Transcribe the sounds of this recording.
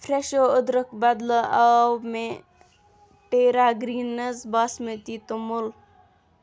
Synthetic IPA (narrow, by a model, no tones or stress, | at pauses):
fʰɾeʃoʊd̪ɾəkbɐd̪ləawme | ʈeːɾaːɡɾiːnːɐzbɐsmət̪it̪umul